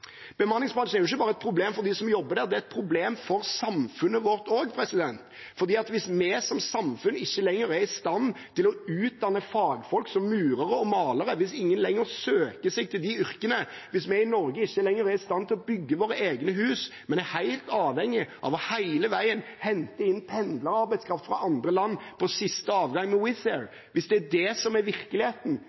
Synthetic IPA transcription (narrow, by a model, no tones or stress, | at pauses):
b̥əmɑnːɪŋsbʁɑnʂn̩æɾjʊɪçːəbɑːɾəɛt̪̚pʰɾʊbleːmfɔɾd̪iːsɔmjɔbːəɾd̪æːɾd̪ɛæɛt̪̚pʰɾʊbleːmfɔɾsɑmfʉnːəʋɔʁt̪oːɡpʰɾɛsɪd̪ɛnt̪ | fɔɾd̪iːɑt̪ʋɪsmɛsɔmsɑmfʉnɪçːəlɛŋːəɾæɾɪst̪ɑnt̪ʰɪlɔʉːt̪̚d̪ɑnːəfɑːɡfɔlksɔmːʉːɾəɾəɔmɑːləɾəʋɪsɪŋːənlɛŋːəɾsøːkəsɛɡ̚t̪ʰɪld̪ɪʏɾkənə | ʋɪsmɛɪnɔɾɡəɪçːəlɛŋːəɾæɾɪst̪ɑnːt̪ʰɪlɔbʏɡːəʋoːɾəeːɡnəɦʉːsmɛnæɾhæɪlt̪ɑːʋhɛŋːɪʔɑ̰ʋɔhæɪləʋæɪənhɛnt̪əɪnːpʰɛnd̪ləɾɑɾbæɪskʰɾɑft̪fɾɑʔɑnd̪ɾəlɑnːpʰɔsɪst̪əɑːʋɡɑŋːmɛwɪθɛɾ | ʋɪsd̪ɛæɖ̪ɛsɔmæɾʋɪɾkəlɪheːt̪n̩